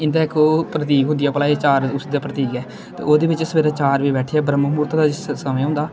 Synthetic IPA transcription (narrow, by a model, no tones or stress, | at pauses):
ɪnd̪aːɪkʰːoːpɾət̪̬iːkɦʊ̃nd̪ɪjaːpəlaːet͡ʃaːɾʊsd̪aːpɾət̪iːkɛː | t̪ḛːoːd̪eːbɪt͡ʃsəʋeːɾãːt͡ʃaːɾʋiːbɛːʈʰiaːbɾəmːmuːɾt̪ːd̪aːɪsəmẽːɦʊ̃nd̪aː